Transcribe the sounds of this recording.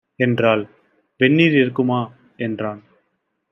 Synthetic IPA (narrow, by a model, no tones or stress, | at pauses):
ɛndraːl | ʋɛɳːiːɾɪɾɯkːɯmaː | ɛndraːn